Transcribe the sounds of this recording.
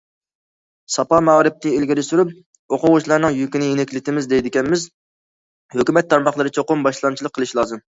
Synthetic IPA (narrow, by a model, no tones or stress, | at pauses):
sɑpɑmɑʁɾɪp̚t̪ʰɪelɡʲiɾɪsyɾyp̚ | oqʊʁʊʃlˠɑɾnɨŋjykʲinɪjenɪkʲlɪt̪ɪmɪzd̪ɛjd̪ɪkʲɛnmɪz | høkʲymɛt̪ʰːɑɾmɑχlˠəɾɨt͡ʃʰoqʊmbɑʃlˠɑnt͡ʃʰilˠəqʰːəlˠɨʃlˠɑːzɨm